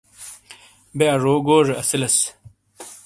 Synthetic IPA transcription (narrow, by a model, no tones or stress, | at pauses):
beɐʐoːɡoːʐeɐsilɐs